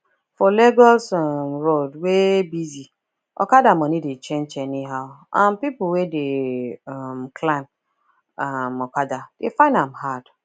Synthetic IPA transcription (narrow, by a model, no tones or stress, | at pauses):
fɔleɡɔsɔmɹodwebizi | ʔɔ̰kadamɔnidet͡ʃẽnd͡ʒɛniɦaʊʔãnpipuwedeamkʰlãɪm | amɔkadad̥efãɪ̃ndãmhad̥